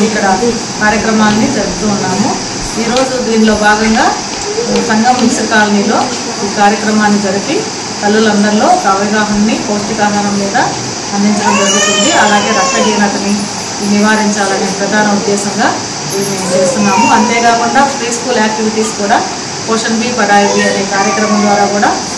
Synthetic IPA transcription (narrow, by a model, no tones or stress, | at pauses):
ikːɐɽɐ | kaːɾjɐkɾɐmaːlɐnid͡ʒɐɾuɡut̪uːunːaːmu | iːɾo̞ːd͡ʒud̪iːnilo̞ːbʱaːɡɐŋɡaː | sɐŋɡɐmːiʃɾɐkaːlɐnilo̞ː | iːkaːɾjɐkɾɐmaːnːid͡ʒɐɾuki | k̪ɐlulɐnd̪ɐɾlo̞ːkaːʋiɡaːɦɐnːipoːʂʈikaːɡ̪ɐnɐmːiːd̪ɐ | ɐnd̪iɲt͡ʃɐɽɐmd͡ʒɐɾuɡut̪und̪iɐlaːɡe̞ːɾɐkʂɐɦiːnɐt̪ɐni | iniʋaːɾiɲt͡ʃaːlɐneːpɾɐd̪ʱaːnɐud̪ːɛːsɐŋɡaː | t͡ʃeːst̪unːaːmuɐnt̪e̞ːkaːkuɳɖaːpʰɾiːskuːlaːk̚ʈiʋiʈiːskuːɽaː | poːʂɐnbiːpɐɽaːjɐd̪iɐneːkaːɾjɐkɾɐmɐmd̪ʋaːɾaːkuːɽaː